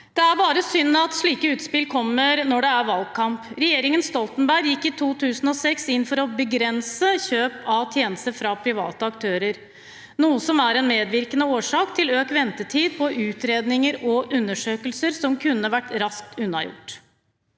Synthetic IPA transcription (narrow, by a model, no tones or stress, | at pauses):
d̪̥ɛæɾbɑːɾəsʏnːɑt̪ʂɭiːkəʉːt̪spɪlkʰɔmːəɾnɔɖɛæɾʋɑlɡ̚kʰɑmpɾɛjeːɾɪŋənst̪ɔlt̪ənbæɡjɪkːɪt̪ʰuːt̪ʰʉːsn̩ɔsɛksɪnːfɔɾɔbəɡɾɛnsəçøːpɑt̪ʰjeːnəst̪əɾfɾɑpʰɾɪʋɑ̰ːt̪əɑkt̪ʰøːɾəɾ | nuːəsɔmæɾɛnmeːd̪ʋɪɾkənəoːʂɑːkt̪ʰɪløːkʋɛnt̪əʈʰiːd̪̚pʰɔʔʉːt̪ɾeːd̪nɪŋəɾɔʔʉnːəʂøːkəlsəɾsɔmkʰʉnːəʋæʈːɾɑsk̚t̪ʉnːɑjʊ̰ʈː